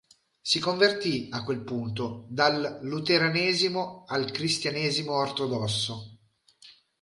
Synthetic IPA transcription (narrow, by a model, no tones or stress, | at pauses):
sikoɱvert̪iakːwelpunt̪od̪alːut̪eɾaneːzimoalkɾist̪janeːzimoːrt̪od̪ɔsːo